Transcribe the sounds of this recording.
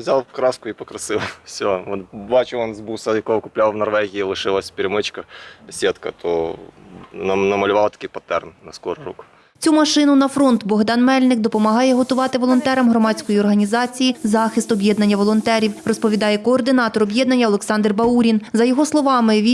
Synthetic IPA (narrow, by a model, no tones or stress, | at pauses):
zʲalˠkɾɑskʊipɔkɾɐsɪlˠfsʲɔɔnbɑt͡ʃɪlˠɔnzbusɐjɐkɔɦɔkʊplʲawˠʋnɐrʋɛɣʲijilˠɪʃɪlˠɐsʲpʲɪɾʲɪmɪt͡ʃkɐsʲet̪kɐ̰t̪ʰɔ | ɐnɐmɐlʲʊʋɑlˠɐt̪ɐ̥kʲijpɐt̪ɛrnnɐskɔɾʊɾṵk | t͡sʲumɐʃɪnʊnɐfɾɔnt̪bɔɦd̪ɑnmɛlʲnɪkd̪ɔpɔmɐɦɑjɛɦɔt̪ʊʋɑt̪ɪʋɔlˠɔnt̪ɛɾɐmɦɾɔmɑt͡sʲkɔjiɔrɦɐnʲizɑt͡sʲijizɑxɪst̪ɔbʲjɛd̪nɐnʲːɐʋɔlˠɔnt̪ɛɾʲiwrɔspɔʋʲid̪ɑjɛkɔːrd̪ɪnɑt̪ɔɾɔbʲjɛd̪nɐnʲːɐɔlˠeksɑnd̪rbɐuɾʲinzɐjɔɦɔslˠɔʋɑmɪʋʲi